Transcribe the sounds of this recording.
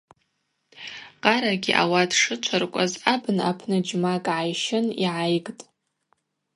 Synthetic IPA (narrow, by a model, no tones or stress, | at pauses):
qʼaɾaɡʲiʔa̰wadʰʂɨt͡ʃʷʰarkʷʼa̰zabnapʰnɨd͡ʒmakʼʕajʃɪniʕajɡʼtʼ